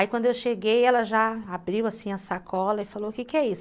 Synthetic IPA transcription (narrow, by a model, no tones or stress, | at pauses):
aikwɐ̃nd̪ʊewʃeɡejɛlɐʒaabɾiwasĩɐsakʰɔlɐɪfaloʊkekɪɛis